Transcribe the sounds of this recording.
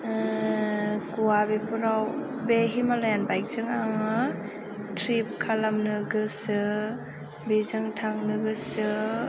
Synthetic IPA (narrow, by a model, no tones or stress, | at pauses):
kuwabepʰuɾaw | beɦimalajanbajk̚zɯŋaŋɯ | tʰɾip̚kʰalamnɯɡɯsɯ | bizɯŋtʰaŋnɯɡɯsɯ